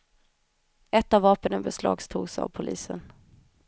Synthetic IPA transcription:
ɛt̪ːavːɑːpənənbɛslɑ̰ːɡst̪ʰuːɡsa̰vpʰʊlʔiːsən

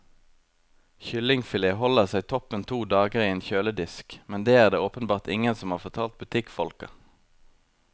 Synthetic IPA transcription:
çʏlɪŋfɪleːhɔləʁsæɪt̪ʰɔpənt̪ʰuːd̪ɑːɡəʁiːeːnçøːləd̪ɪskmɛnd̪eːæːʁd̪eːoːpənbɑːʁt̪ɪŋənsɔmhɑːʁfɔʁt̪ʰɑːlt̪̚bʉt̪ʰɪkfɔlkə̰

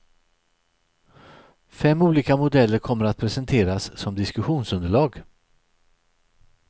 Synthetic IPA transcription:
fɛmːuːliːkamʊd̪ɛlːəɾkʰɔmːəɾat̪̚pʰɾɛsɛnt̪ʰeːɾassɔmd̪ɪskɵɧuːnsɵnd̪əɭɑːɡ

